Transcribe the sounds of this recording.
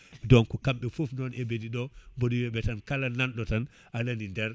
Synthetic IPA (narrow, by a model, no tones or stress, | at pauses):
dɔnkukamɓɛfufnɔnebediɗɔboɗiwɛɓɛtankalananɗɔtan | ʔananindɛɾ